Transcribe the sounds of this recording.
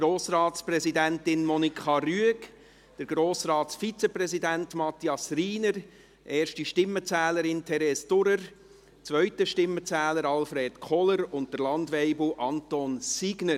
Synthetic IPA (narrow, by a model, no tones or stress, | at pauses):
ɡ̥ɾoːsrɑːtsprɛzidæntɪnmɔnikχɑryək | d̥əɾɡ̥ɾoːsrɑːtsfit͡seprɛzidæntmɑt̪iɑsriːnəɾ | ʔeːɾʃtiʃtɪmːət͡sɛːləɾɪntʰɛɾɛstʊɾəɾ | t͡sʋœʏtəʃtɪmːət͡sæːləɾɑlfɾeːtkʰɔləɾʊnt̚d̥əɾlɑndʋɛɪbl̩ʔɑntɔnsiɡnəɾ